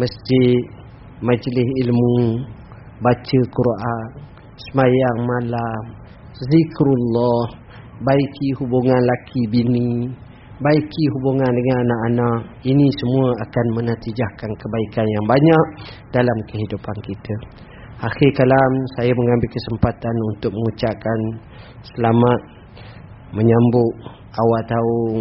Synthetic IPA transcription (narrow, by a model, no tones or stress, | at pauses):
məsd͡ʒɪt̪̚ | mad͡ʒlɪsilmu | bat͡ʃəkuɾan | səmajaŋmalam | zikɾulːɔh | baikihubuŋanlakʰibini | baikiɦubuŋandəŋananaʔanaʔ̚inisəmũəakanmənət̪id͡ʒahkankəbaikanjaŋbaɲak̚ | d̥alamkəɦidupankit̪ʰə | ʔaxɪrkalamsajaməŋambɪlkəsəmpat̪anunt̪ʊk̚məŋut͡ʃaʔkan | səlamat̪̚ | məɲambʊʔ | awalt̪aʊŋ